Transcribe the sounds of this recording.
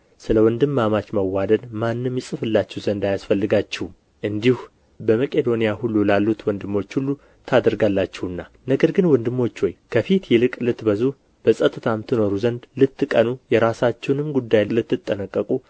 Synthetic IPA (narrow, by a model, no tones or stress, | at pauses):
sɨləwɔnd̪ɨmːamat͡ʃməwːad̪əd̪manːɨmjɛsʼɨfɨlːat͡ʃːɛwzənd̪ajasfəlːɨɡat͡ʃːɛw | ʔɨnd̪ihu | bəməkʼe̞d̪o̞nijahulːulalːut̪wɔnd̪ɨmːo̞t͡ʃːhulːu | t̪ʰad̪əɾɡalːat͡ʃːɛhɨnːa | nəɡəɾɡɨnwɔnd̪ɨmːo̞t͡ʃːwojkʰəfit̪jɛlɨkʼlɨt̪bəzuh | b̥əsʼət̪ʼɨt̪ʰamt̪ʰɨno̞ɾuzənd̪lɨt̪ːkʼənujɛɾasat͡ʃːɛwnɨmɡud̪ːajlɨt̪ːɨt̪ʼːənəkʼːəkʼu